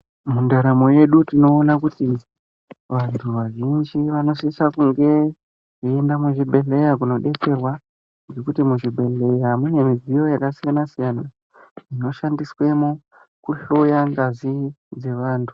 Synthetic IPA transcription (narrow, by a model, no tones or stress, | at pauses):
mundaɾamo̞je̞ɗutino̞ːnakuti | ʋantʰuʋaʒind͡ʒiʋano̞sisakuŋɡe̞ | endamuʐibʱe̞ɬe̞jakuno̞ɗe̞t͡se̞rwa | ŋɡe̞kutimuʐibʱe̞ɬe̞jamune̞mivijo̞jakasijanasijana | d͡zino̞ʃandiswe̞mo | kuɬo̞jaŋɡazid͡ze̞ʋaːntʰu̥